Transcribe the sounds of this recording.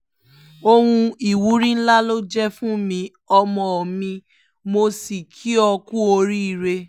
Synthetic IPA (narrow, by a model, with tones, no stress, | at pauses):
o˧hũ˧i˨wu˨˦ɾĩ˦n̩˦la˦lo˦d͡ʒɛ˦fũ˦mĩ˧ | ɔ˧mɔ̃˨ɔ˨mĩ˧ | mo˧si˨kʰi˦ɔ˧ku˦o˧ɾi˦˨ɾe˧